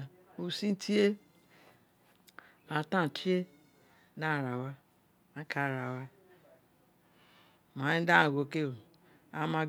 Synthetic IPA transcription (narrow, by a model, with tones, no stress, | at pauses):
u˨si˦n˦tʰi˦e˦ | a˨tã˦˨t͡ʃi˦e˦ | da˦˨ɾa˨wa˦ | a˦kʰa˦˨ɾa˨wa˦ | ma˨i˦da˦˨ɡo˨ke˦o˨ | a˦ma˨ɡ